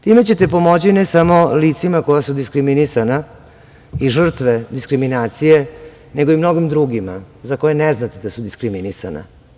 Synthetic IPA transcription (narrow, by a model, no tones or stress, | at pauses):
t̪ime̞t͡ɕe̞t̪e̞po̞mo̞t͡ɕinesamo̞lit̪simako̞jasud̪iskɾiminisana | iʐr̩t̪ʋed̪iskɾiminaːt̪sije̞ | neɡo̞imno̞ɡimd̪ɾuɡima | zako̞jeneznat̪ed̪asud̪iskɾiminisa̰na̰